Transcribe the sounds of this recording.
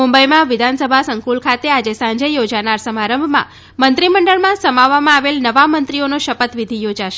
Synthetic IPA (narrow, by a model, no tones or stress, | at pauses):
umbəjmãʋɪd̪ʱansəbʱasəŋkulkʰat̪ead͡ʒesãɲd͡ʒejod͡ʒanaɾsəmaɾəmbʱmã̰ | mənt̪ɾiməɳɖəɭmãsəmaʋːamãaʋelnəʋamə̃nt̪ɾionoʃəpət̪ʋid̪ʱijod͡ʒaʃe